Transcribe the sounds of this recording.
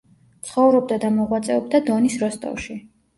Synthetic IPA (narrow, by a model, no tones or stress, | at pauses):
t̪sʰχɔvɾɔb̚d̪ad̪amɔʁwat̪sʼɛɔb̚d̪ad̪ɔnisɾɔst̪ʼɔ̰ʃi